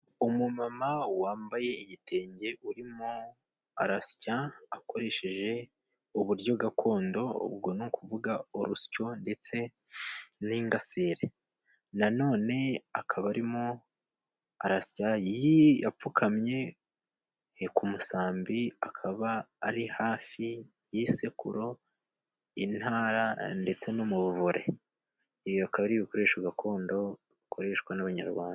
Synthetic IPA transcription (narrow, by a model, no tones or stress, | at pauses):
umumamawaːmbaje̞ijitʰe̞ːɲɟe̞ʔuɾimo | aɾasi̥caako̞ɾe̞ʃe̞ʒe̞ | uβuɾɟo̞ɡakʰo̞ːndo̞̰βɡo̞nukʰuvuɡaoɾusi̥co̞nde̞t͡se̞ | niŋɡaseːɾe | nano̞ːne̞akʰaβaɾimo | aɾasi̥cajjijap͡fukʰamɲe̞ | kumusaːmbiakʰaβaː | ɾihaːfi | jise̞kṵɾo̞ | inhaːɾande̞t͡se̞nomuβuvuɾe̞̰ | iβjoakaβaɾiːβiko̞ɾeːʃwaɡakʰo̞ːndo̞ | ikʰo̞ɾe̞ːʃkwanaβaɲa̰ɾɡwaːnda